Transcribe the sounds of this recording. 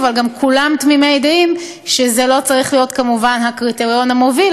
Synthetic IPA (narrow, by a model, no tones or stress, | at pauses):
valɡamkʰulamt̪mimejd̪aim | ʃezelo̞t͡saʁiχlijo̞tkamuvanɦakʁit̪eʁijo̞nhamo̞vil